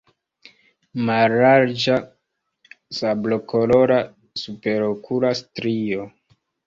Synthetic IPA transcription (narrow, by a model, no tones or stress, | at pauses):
maɾaɾd͡ʒa | sablo̞kʰolo̞ɾa | supe̞ɾokʰulastɾio